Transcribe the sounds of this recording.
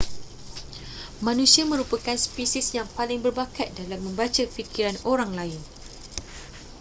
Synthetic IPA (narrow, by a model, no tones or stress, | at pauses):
mãnũsiamə̃ɾupakanspisisjaŋpalɪŋbərbakat̪̚dalamːə̃mbat͡ʃafikiɾanoɾaŋlaɪn